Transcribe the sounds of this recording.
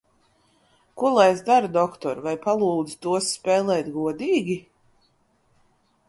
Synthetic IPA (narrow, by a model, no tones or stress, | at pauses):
kulˠajzd̪aɾd̪ɔkt̪ɔ̰ɾvajpalˠuːd̪z̥t̪uɔsːpɛːlˠɛːjt̪ɡuɔd̪iːɡʲi